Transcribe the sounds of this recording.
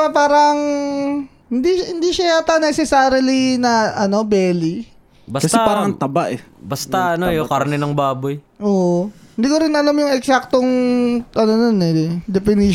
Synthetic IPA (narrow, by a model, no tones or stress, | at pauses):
ɐpaːɾɐŋ | hɪnd̪ihɪnd̪iʃaat̪ɐnɛsɛsaːɾɐlinɐʔɐno̞bɛːli | bɐskɐst̪ɐpaːɾɐŋɐt̪ɐbaʔɛbɐst̪ɐɐnojokɐɾnɛnɐŋbaːbojʔoːʔ | hɪnd̪iːkoɾɪnɐlamjʊŋɛksak̚t̪oŋʔɐnononɛd̪ɛpɪni